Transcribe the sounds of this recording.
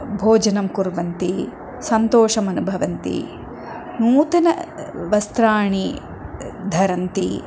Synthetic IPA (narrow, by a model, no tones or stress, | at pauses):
bʱoːd͡ʒɐnɐmkuɾʋɐnt̪i | sɐnt̪oːʂɐmɐnubʱɐʋɐnt̪ḭ | nuːt̪ɐnɐʋɐst̪ɾaːɳi | d̪ʱɐɾɐnt̪ḭ